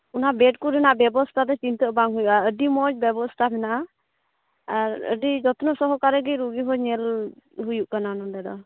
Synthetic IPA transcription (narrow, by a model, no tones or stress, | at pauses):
unabɛʈ̚kuɾɛnaʔbɛbɔst̪ʰad̪ɔt͡ʃint̪əbaŋɦujuʔaəɖimɔd͡ʒbjɛbɔst̪ʰabɛnaʔ | aɾə̰ɖid͡ʒɔt̪nɔsɔɦɔkaɾɛɡiɾuɡiɦɔɲɛlɦujuʔkananɔd̪ɛd̪ɔ̰